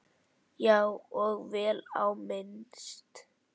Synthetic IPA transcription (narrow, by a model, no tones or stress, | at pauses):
jawɔɣvɛːla̰wmɪnst̪